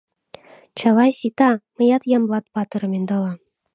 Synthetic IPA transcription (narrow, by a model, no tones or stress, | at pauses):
t͡ɕɑlɑjsʲit̪ɑmɤ̆jɑt̪jɑmlˠɑt̪̚pɑt̪ɤ̆ɾɤ̆mend̪ɑlˠɑ